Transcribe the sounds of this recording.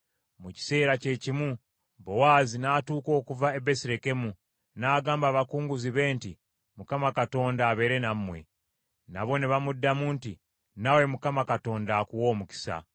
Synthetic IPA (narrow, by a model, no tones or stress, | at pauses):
muci̥se̞ːɾace̞cimwu | bo̞waːzinaːtuːko̞ːkuvaebe̞siɾe̞ke̞mu | naːɡaːmbaːβakuːŋɡuziβe̞ːnti | mukamakato̞ːndaːβe̞ɾe̞nammwe̞̰ | na̰βo̞niβamudːamunti | nawe̞mukamakato̞ːndaːkuwo̞ːmuki̥sa̰